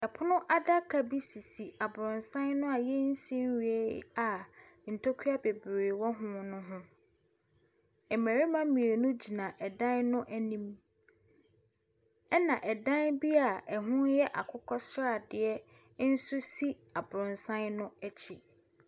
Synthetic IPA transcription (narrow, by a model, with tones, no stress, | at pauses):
ɛ˨pʰʊ˦nʊ̃˦ʔa˦da˦kʰa˨bi˦si˨si˨a˨bʊ˨ɾʊ̃˨nsã˦nnʊ̃˦a˨jɛ˦n̩˦sĩ˦n˦ɥu˨ḛ˦˨a˨ | n̩˨tʰo˦kʰu˦a˦be˨bɾe˨wɔ˦ɦʊ̃˦nʊ̃˦ɦʊ̃˦ | ɛ˨mæ˨ɾi˦mã˦mĩ˨e˨nʊ̃˦d͡ʑi˨nã˨ʔɛ˨dã˦nnʊ̃˦ʔæ˦nĩ˦m | ɛ˦nã˨ʔɛ˨dã˦nbi˦a˨ɛ˨ɦʊ̃˦jɛ˦ʔa˨kʰʊ˦kʰɔ˦sɾa˦˨dɪ˨ɛ˦ | n̩˦su˦si˦ | a˨bʊ˨ɾʊ̃˨nsã˦nnʊ̃˦ɛ˦t͡ɕʰi˨